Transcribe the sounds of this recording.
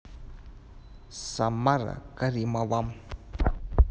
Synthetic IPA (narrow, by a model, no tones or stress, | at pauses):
samaɾa̰kaɾimawam